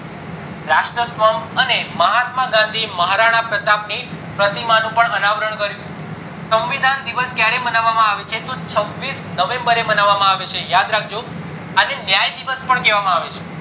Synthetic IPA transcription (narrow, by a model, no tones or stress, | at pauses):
ɾaʃʈɾəsʋəməneməɦat̪maɡãnd̪ʱiməɦaɾaɽ̃apɾət̪apnipɾət̪imanũpəɳənaʋəɾəɳ̃kəɾjũ | səmʋid̪and̪iʋəskjaɾemənaʋːamãaʋet͡ʃʰet̪ot͡ʃʰəʋːisnəʋẽmbəɾemənaʋːamãaʋet͡ʃʰejad̪ɾak̚ʰd͡ʒo | anenjajd̪iʋəspəɳkɛʋamãaʋet͡ʃʰe